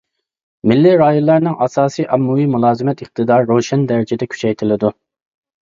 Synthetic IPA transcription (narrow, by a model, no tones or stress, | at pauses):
mɪlːiɾɑːjonlˠːɑɾnɨŋʔɑsɑːsijʔɑmːuwimulˠɑːzɨmɛt̪əq̚t̪ʰɨd̪ɑɾːoʃɛnd̪ɛɾɪd͡ʒɪd̪ɛkʲʰy̥t͡ʃʰɛjt̪ʰɪlɪd̪u